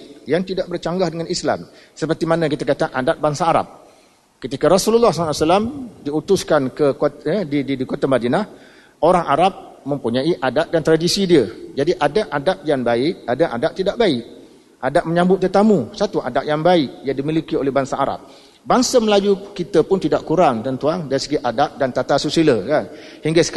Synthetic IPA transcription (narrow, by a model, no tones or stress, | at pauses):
jaŋt̪idaʔbərt͡ʃaŋɡahdəŋanisla̰m | səpərt̪imanə̃kit̪akat̪aʔadat̪̚baŋsaːɾa̰p̚ | kət̪ikaɾasululːahsasalamdiut̪ʊskankəkoədididikot̪amadinah | ʔoɾaŋʔaɾap̚mə̃mpuɲãiʔadat̪̚dant̪ɾadisidiəd͡ʒadiʔadaʔadap̚jaŋbaɪk̚adaʔa̰daʔ̚t̪idaʔbaɪʔ̚ | ʔadaʔ̚məɲãmbʊt̪̚t̪ːət̪amũsat̪uʔa̰daʔ̚jaŋbaɪʔjaŋdimilikiolɛhɦbaŋsaʔːɾa̰p̚ | baŋsaməlajukit̪əpʊnt̪idaʔkuɾaŋt̪ənt̪uaŋdaɾisəɡiʔadaʔ̚dant̪at̪asusiləkanhiŋɡasə̥k